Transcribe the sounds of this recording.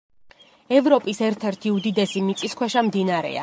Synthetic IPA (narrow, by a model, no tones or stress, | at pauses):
ɛvɾɔpʼisɛɾt̪ʰɛɾt̪ʰiud̪id̪ɛsimit̪sʼiskʰwɛʃamd̪inaaɾɛ̰a̰